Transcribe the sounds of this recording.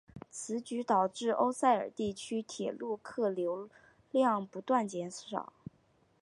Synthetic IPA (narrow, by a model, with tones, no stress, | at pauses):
t͡sʰɹ̩˧˥t͡ɕy˧˥t̪ɑ˨˩ʊʈ͡ʂɻ̩˥˩ʔo˥ʊsa˥˩ɪə̰˞˨˩t̪i˥˩t͡ɕʰy˥t̪ʰjɛ˨˩lu˥˧kʰɤ˥˩ljo˧˥ʊ | ljɑ˥˩ŋpu˧˥t̪wa˥˩nt͡ɕjɛ˧˥ns̩˥˩ʂɑ̰˨˩˦